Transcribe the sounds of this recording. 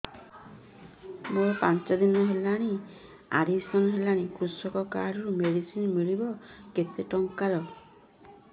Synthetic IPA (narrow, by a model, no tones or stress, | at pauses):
moɾɔpant͡ʃad̪inɔɦelaɽ̃i | a̰ɾisɔnɔɦelaɽ̃ikɾusɔkɔkaɾɔɾumeɽisinmiɭibɔket̪eʈɔŋkaɾɔ